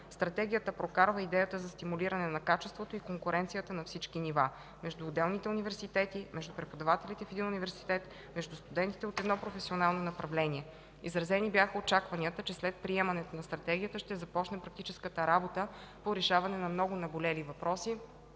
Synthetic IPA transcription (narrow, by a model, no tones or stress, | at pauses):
st̪ɾɐt̪ɛɡ̟ʲijət̪əpɾokaɾvəid̪ɛjət̪əzɐst̪imuliɾɐnɛnɐkat͡ʃɛst̪vot̪oikoŋkʊɾɛnt̪sijət̪ənɐfsit͡ʃkiniva | mɛʒd̪uːd̪ɛlˠnit̪ɛunivɛɾsit̪ɛt̪imɛʒd̪upɾɛpod̪ɐvat̪ɛlit̪ɛfɛd̪inunivɛɾsi̥t̪ɛt̪ | mɛʒd̪ust̪ud̪ɛnt̪it̪ɛot̪ɛd̪nɔpɾofɛsionalˠnonɐpɾɐvlɛnʲiɛ | izɾɐzɛnibjaxəot͡ʃakvɐniət̪ət͡ʃɛslɛt̪̚pɾiɛmɐnɛt̪onɐst̪ɾɐt̪ɛɡ̟ʲiət̪əʃt̪ɛzɐpɔt͡ʃnɛpɾɐk̚t̪it͡ʃɛskət̪əɾabot̪ə | poɾɛʃavɐnɛnɐmnɔɡʊnɐbolɛlivɐpɾɔsi